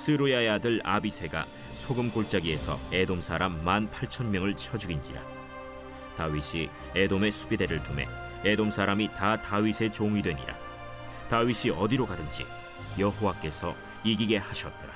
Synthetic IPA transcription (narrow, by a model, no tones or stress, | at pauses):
sʰɯɾujajadɯɭa̰bisʰe̞ɡa̰ | sʰoɡɯmkoɭt͡ɕ͈aɡie̞sʰʌ̰e̞domsʰaɾamːanpʰaɭt͡ɕʰʌnmjʌŋɯɭt͡ɕʰʌd͡ʑuɡind͡ʑiɾa̰ | taɥiɕʰi | edome̞sʰu̥bideɾɯɭtume̞̰ | e̞domsʰaɾamitataɥisʰe̞t͡ɕoŋɥidwe̞ɲḭɾa̰ | taɥiɕʰiʌdiɾokadɯnd͡ʑḭ | jʌɦowak͈e̞sʰʌ | iɡiɡe̞haɕʰʌt̚t͈ʌɾa